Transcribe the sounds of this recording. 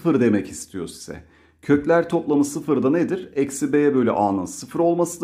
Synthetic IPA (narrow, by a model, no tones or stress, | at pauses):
fɯɾd̪e̞mɛcist̪ʰijo̞̰si̥z̥ɛ̰ | cʰø̞clʲæɾt̪ʰo̞plˠamɯsɯfɯɾd̪aned̪iɾɛcsibejɛbø̞jlʲɛ̰ʔaːnɯnsɯfɯɾo̞lˠmasɯd̪